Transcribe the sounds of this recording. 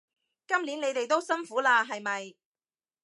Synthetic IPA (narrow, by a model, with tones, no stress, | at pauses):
kɐ˥mliː˨˥ne˨˧jt̪e˨jt̪o˥wsɐ˥nfuː˨˥laː˧ɦɐ˨jmɐ˨j